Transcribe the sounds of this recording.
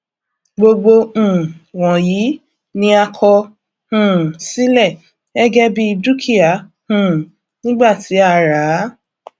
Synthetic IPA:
ɡ͡bo˧ɡ͡bõ˧˨wɔ̃˨ji˨˦ | nĩ˦a˧kʰɔ˧ | hũ˨si˦lɛ˦˨ | ɛ˦ɡɛ˦bi˦˧du˦kʰi˦a˨ | hũ˨ | nĩ˦ɡ͡ba˦˨ti˨˦a˦˧˨ɾa˨˦

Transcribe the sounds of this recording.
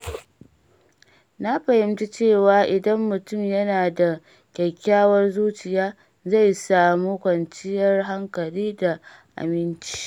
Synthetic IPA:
na˦ɸɐ˨hɪ˦mt͡ʃi˦t͡ʃeː˦˨waː˦ʔɪ˨dɐ˦mːʊ˨tʊ˦˨mjɐ˦naː˨da˨ | kʲɛ˨kʲːaː˦wɐ˦rzuː˦t͡ʃɪ˨jaː˦ | za˦˨jsaː˨muː˦kʷɐ˨nt͡ʃɪ˦jɐ˦rɦa˦ŋkɐ˨liː˦da˨ | ʔa̰˨mɪ˦nt͡ʃi̥ː˦

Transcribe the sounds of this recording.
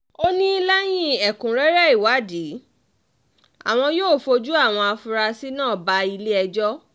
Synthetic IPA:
o˦nĩ˦i˧lɛ˦j̃ĩ˦ɛ˨kũ˨ɾɛ˦ɾɛ˦i˦˨wa˨˦di˨˦ | a̰˨w̃ɔ̃˧joː˦˨fo˧d͡ʒu˦a˦˨w̃ɔ̃˧a˧fu˧ɾa˧si˦nãː˦˨ba˧i˧le˦ɛ˧d͡ʒɔ˦

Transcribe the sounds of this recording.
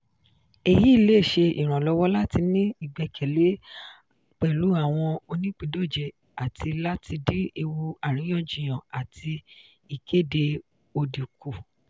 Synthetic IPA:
e˦˨ji˦i˦˧le˦˨ʃe˧ḭ˨ɾ̃ã˨lɔ˦wɔ˦la˦ti˧nĩ˦i˦˨ɡ͡bɛ˧kʰɛ˨le˨˦ | k͡pɛ˨lu˨˦a˦˨w̃ɔ̃˧o˧nĩ˦k͡pi˧˨do˦˨d͡ʒɛ˨ | a˨tʰi˧la˦tʰi˧di˦e˧wu˧a˨ɾ̃ĩ˨˦jɔ̃˦˨d͡ʒĩ˨j̃ã˨a˨tʰi˧ | i˨ke˦˨de˧ | o˧di˨ku˨

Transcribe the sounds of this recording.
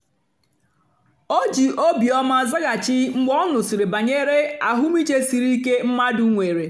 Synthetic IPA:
o˦d͡ʒi˨ʔo˦bi˨ɔ˦ma˦za˦ɡa˨t͡ʃɪ˦ŋ͡m̩˦ɡ͡bɔ˦nʊ˨si˨ɾe˨ba˨ɲe˦ɾe˦a˨ɦʊ˦mi˦t͡ʃe˦si˨ɾi˦ke˦m̩˦ma˦dʊ˦ŋʷe˨ɾe˨

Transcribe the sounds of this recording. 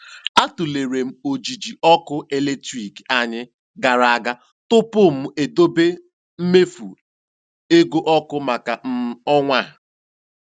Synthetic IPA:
a˦tu˨le˨ɾe˨m̩˦o˨d͡ʒi˨d͡ʒi˨ʔɔ˦kʊ˦e˦le˦tɾi˨ka˨ɲɪ˦ | ɡa˨ɾa˨a˨ɡa˦ | tʊ˦pʊ˦˨m̩˨e˨do˦be˦ | m̩˦me˦fṵ˨ | e˦ɡo˦ʔɔ˦kʊ˦ma˨ka˨m̩˦ɔ˦ŋʷa˦˨ɦa˨

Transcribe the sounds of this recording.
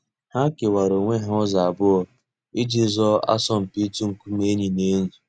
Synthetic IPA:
ha˦ke˨wa˨ɾo˨ŋʷe˦ɦɔ˦za˨a˨bʊ˦ɔ˨ | i˦d͡ʒi˦zɔ˦a̰˦sɔ˦m̩˨pi˦tu˦ŋ̩˨ku˦m˦e˦ɲi˨ne˦nu˨

